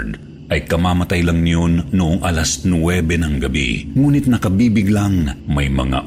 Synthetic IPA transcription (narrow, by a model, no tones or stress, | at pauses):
d̪ | ʔɐjkɐmaːmɐt̪ajlɐŋnɪjonːʊʔoŋʔɐlasnwɛːbɛnɐŋɡɐbḭŋuːnɪt̪̚nɐkɐbiːbɪɡlaŋmɐjmɐ̰ŋa̰